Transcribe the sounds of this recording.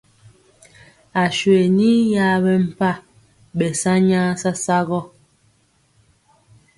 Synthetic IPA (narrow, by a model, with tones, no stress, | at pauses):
a˨ʃwe˨ni˦ja˦bɛ˦m̩˨pa˦˨ | ɓɛ˨sa˦ɲa˦sa˦sa˦ɣɔ˦